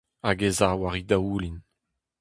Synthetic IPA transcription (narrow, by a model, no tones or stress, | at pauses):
aɡezaːwaʁid̪auːlin